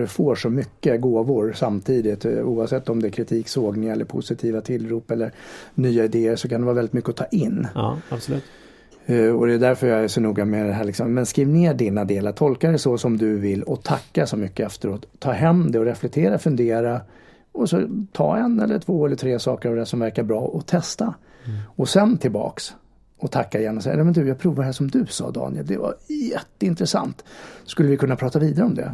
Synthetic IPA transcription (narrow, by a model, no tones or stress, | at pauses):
ɖɛfoːʂɔmʏkːəɡoːvʊɾsamt̪ʰiːd̪ɪt̪uːavsɛt̪ːɔmd̪ɛːɾkʰɾɪt̪ʰiːksoːɡnɪŋaɛlːə̰ɾpʰʊ̰sɪt̪ʰiːvat̪ʰɪlɾuːpɛlːəɾnyːaɪd̪eːəʂɔkʰand̪ɛvɑːvɛlɪt̪mʏkːəɔt̪ʰɑːʔɪnːbst̪ | ɔd̪ɛd̪æɾfœɾjɑæʂɔnuːɡamɛd̪ɛɦæːɭɪksɔmːɛnskɾiːvneːɖinad̪eːlaɾʈ̪ʰɔlkaɖɛsɔsɔmd̪ɵvɪlːɔt̪ʰakːasɔmʏkːəɛft̪əɾoːt̪ʰːɑːɦɛmːd̪ɛɔɾɛflɛk̚t̪ʰeːɾafɵnd̪eːɾa | ɔsɔt̪ʰɑ̰ːɛnɛ̰lːəʈʰvoːɛləʈʰɾeːsɑːkəɾavd̪ɛhæʂɔmvæɾkaɾbɾɑːʔɔt̪ʰɛst̪a | ɔsɛnt̪ʰɪlbɑ̰ːks | ɔt̪ʰakːaɪjɛnːɔsɛjajɑːmɛnd̪ɵjɑːɡ̚pʰɾuːvadɛɦæːʂɔmd̪ɵsɑ̰ːd̪ɑ̰ːnɪɛ̰ld̪ɛva̰jɛt̪ːəɪnt̪ɾɛsa̰nt̪skɵlːəvɪkʰɵnːapʰɾɑːt̪aviːd̪aɾəɔmd̪ɛ̰